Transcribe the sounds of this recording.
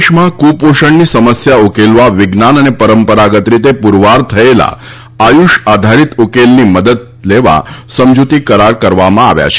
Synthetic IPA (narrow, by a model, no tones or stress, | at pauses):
ʃmãkupoʃəɳnisəməsjaukelʋaʋɪɡnanənepəɾəmpəɾaɡət̪ɾit̪epuɾʋaɾt̪ʰəela̰ | ajuʃad̪ʱaɾit̪ukelniməd̪əd̪̚ | leʋa̰səmd͡ʒut̪ikəɾaɾkəɾʋamãa̰ʋja̰t͡ʃʰe̥